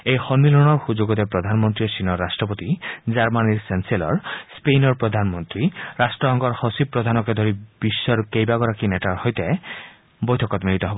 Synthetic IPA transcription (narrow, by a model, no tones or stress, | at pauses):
ejxɔnmilɔnɔɹxuzuɡɔt̪ɛpɹɔd̪ʱanmɔnt̪ɹisinɔɹːasʈɹɔpɔt̪izaɹmaniɹsensielɔ̰ɹspejnɔɹpɹɔd̪ʱanmɔnt̪ɾiɾasʈɹɔɦɔŋɡɔɹhɔsipːɹɔd̪ʱanɔkɛd̪ʱɔɾibisːɔɾukejbaɡɔɾakinɛtaɹhɔjt̪ɛ | bɔjtʰɔkɔt̪milit̪ɔɦɔbɔ